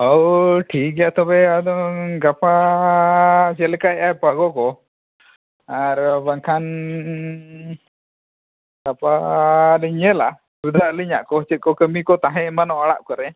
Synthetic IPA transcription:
əwʈʰik̚ɛjaʔt̪ɔbɛad̪ɔɡapʰa | d͡ʒɛlkaɛʔapaɡɔkɔ | aɾbaŋkʰan | ɡapaliɲɛla̰ | ɾud̪ʱaʔliɲa̰ʔkɔɦɔt͡ʃəkɔkəmikɔt̪ãɦɛ̃manɔaɽa̰ʔkɔɾɛ

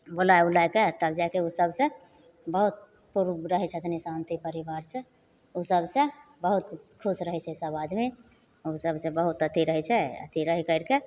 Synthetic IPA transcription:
bolaeulajket̪əbd͡ʒakeusəbʱsə̃ | bəɦut̪̚ | puɾɾəɦɛt͡ʃʰɛət̪ʰnesãnt̪ipəɾiʋaɾsə̃ | usəbsə̃bəɦut̪kʰusɾəɦɛt͡ʃʰɛsəbad̪me | osəbsẽbəɦut̪ət̪iɾəɦɛt͡ʃʰɛə̰t̪ʰiɾəɦikəɪɾke

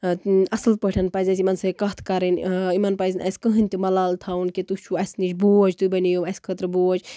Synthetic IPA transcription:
ɐslpəʈʰɐnpɐzɐsimɐnsɐkɐt̪ʰkɐɾɐnimɐnpɐzʲnɐ̰sʲkəɦɨnʲt̪imɐlaːlt̪ʰawunket̪ut͡ʃʰuɐsʲnit͡ʃboːd͡ʒt̪ubɐnijomɐsʲkʰət̪ɾboːd͡ʒ

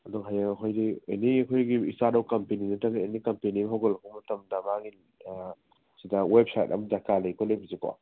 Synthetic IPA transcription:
ɐdɔŋɦajaŋɐkʰojdiḛniɐkʰojɡiistatawkɐmpeninɐtabienikɐmpenimɦawɡelɐkʰɔmɐtɐmdɐmaŋi | sidawep̚sajt̚ɐ̰md͡ʒakalejkɔlebizikɔ̰

